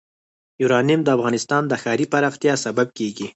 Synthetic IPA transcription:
juɾɑnɪimd̪əafɣɑnɪst̪ɑnd̪əxɑɾipaɾɑxt̪jɑsabab̚keɡi

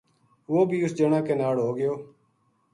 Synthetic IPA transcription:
ʋoːbʱiːʊsd͡ʒeːɳãːkeːnaːɽɦoːɡɪjoː

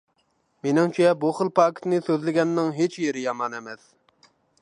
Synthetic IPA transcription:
menɪŋt͡ʃʰijɛbuχəlˠpʰɑːkʰʲi̥t̪nɨsøzlɪɡʲɛnːɨŋɦet͡ʃjeɾɪjɑmɑnɛmɛs

